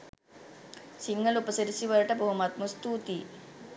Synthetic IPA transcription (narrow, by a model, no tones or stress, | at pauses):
siŋːəlupəsəɾisiʋələʈəboɦumat̪̚must̪uːt̪i